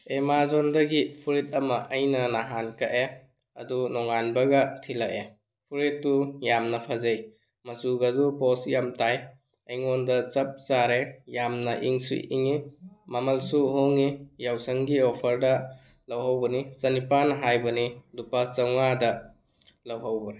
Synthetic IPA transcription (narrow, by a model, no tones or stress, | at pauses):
emazondɐɡipʰuɾit̚ɐmɐʔɐjnɐnaɦankɐʔe | ɐ̰dunɔŋanbɐɡɐtʰilaʔe | pʰuɾitːujamnɐpʰazej | mɐsuɡɐdupɔsjamtaj | ejŋɔndɐt͡ʃɐp̚saɾejamnɐʔḭŋsṵjḭŋimamɐlsuɦoŋijawsɐŋɡiɔpʰɐɾdɐ | lɐwɦawbɐnisɐnipanɦajbɐnidupasɐwŋadɐ | lɐwɦawbɐɾe